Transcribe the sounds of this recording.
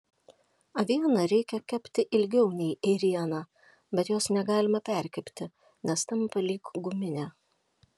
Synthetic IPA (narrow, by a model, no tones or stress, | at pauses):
ɐʋʲiɛnɐɾʲɛɪkʲɛkʲɛpʲt̪ʲɪʔɪlʲɡʲɛʊnʲɛɪʔɛɾʲiɛnɑː | bʲɛt̪joːsnʲɛɡɑːlʲɪmɐpʲɛˑɾʲkʲɛpʲt̪ʲɪ | nʲɛst̪ɐmpɐlʲiːkɡʊmʲɪnʲæː